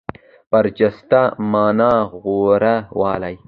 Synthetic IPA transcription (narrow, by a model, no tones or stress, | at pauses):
b̥ɐɾt͡ʃɐst̪amɑːnɑːɣoːɾawɑːlaj